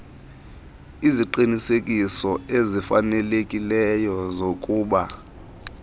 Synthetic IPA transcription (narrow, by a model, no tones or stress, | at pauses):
iziǃinisekʼisɔezifanɛlekʼilɛjɔzokʼuːɓa